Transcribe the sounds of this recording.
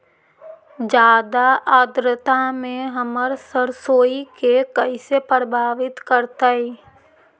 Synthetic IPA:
d͡ʒaːd̪aʔaːd̪ɾət̪amẽɦəməɾsəɾsoːikekəisepɾəbʱaːʋɪt̪kəɾt̪aːɦɛː

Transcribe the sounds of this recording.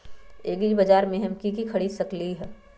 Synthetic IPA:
eːɡibɐd͡ʒaːɾmẽɦɛmkikikʰɐɽiːd̪sɐkliɦɛː

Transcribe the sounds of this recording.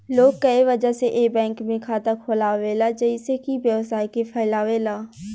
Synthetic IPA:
loːɡ̚kɐiʋəd͡ʒaseʔeːbɛ̃ːŋkmẽkʰaːt̪akʰoːlaːʋeːlad͡ʒəɪsekibjəʋsaːikepʰɛːɪlaːʋeːlaː

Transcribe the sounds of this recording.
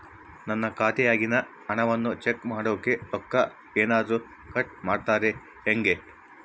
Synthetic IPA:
nɐnːɐkaːt̪ɛjaːɡinɐ | ɐɳɐʋɐnːut͡ʃekmaːɽoːkːe̞t̪ɔkːɐ | eːnaːd̪ɾu | kɐʈ̚maːɖt̪aːɾe̞ | heŋɡe

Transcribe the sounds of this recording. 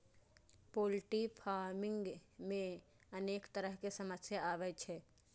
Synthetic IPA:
poːlʈipʰaːɾmɪ̃ŋɡmẽ | əneːkt̪əɾəɦkesəməsjaaːʋɛt͡ʃʰɛː

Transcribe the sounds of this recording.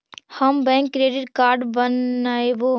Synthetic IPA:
həmbɛ̃ːŋkːɾeːɖɪʈkaːɾɖbənaeʋoː

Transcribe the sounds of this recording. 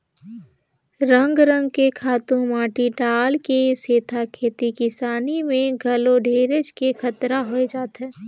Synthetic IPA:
ɾə̃ŋɡɾə̃ŋɡ̚kekʰaːt̪ũmaːʈiɖaːlkeseːt̪ʰakʰeːt̪ikɪsaːnimẽɡʱɐloɖʱeːɾəd͡ʒkekʰɐt̪ɾaɦoed͡ʒaːt̪ɦɛ̃ː

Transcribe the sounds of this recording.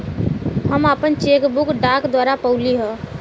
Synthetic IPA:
ɦəmapənt͡ʃekbukɖakd̪waːɾapəʊliɦə̃

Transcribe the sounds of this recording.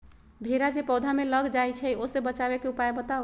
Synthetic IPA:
bʱeɾad͡ʒepɔd̪ʱameləɡd͡ʒajt͡ʃʰəjosebət͡ʃabekeupaebət̪aʊ

